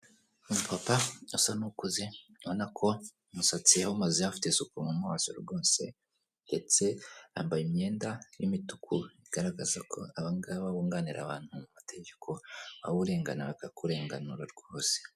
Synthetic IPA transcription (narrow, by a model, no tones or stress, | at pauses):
umupʰapausanukuze | βonakʰo̞ | musat͡sijahumazehafi̥tesukumumwaːsoɾuɾɡo̞ːse̞̰ | nde̞t͡se̞ha̰ːmbajimɲe̞ːndajimitukʰuiɡ̥aɾaɡazakʰo̞̰aβaŋɡaβaβuːŋɡaniɾʔa̰βaːn̥humumatʰe̞ɟe̞kʰo̞βa̰βuɾe̞ːŋɡa̰naβakakuɾe̞ːŋɡanuɾaɾɡoːse̥